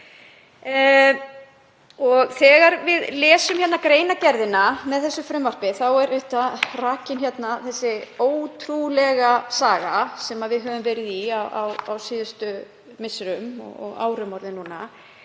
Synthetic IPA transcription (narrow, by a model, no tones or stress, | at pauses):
ɔɣθɛːɣaɾvɪðlɛːsʏmçɛt̪nakɾeːjnacɛɾðɪnamɛðθɛsːʏfɾʏmvar̥pɪθawɛɾeht̪araːcɪnçjɛt̪naθɛsːɪoːwt̪ʰɾulɛɣasaːɣa̰sɛmaðvɪðɦœːvʏmvɛːɾɪðiawʔa̰wawsiːðʏst̪ʏ | mɪsɾʏmɔ̰ɔ̰ɣa̰ːwɾʏmɔɾðɪnːuːna̰